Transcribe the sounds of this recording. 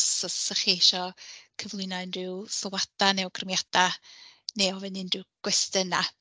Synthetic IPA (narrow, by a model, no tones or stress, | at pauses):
sɔssəχiʃɔkʰəvlˠɪnanrɪwsɔlwad̥anɛwɡrəmjad̥aneɔvɛnɪndrɪwɡ̥wɛstəna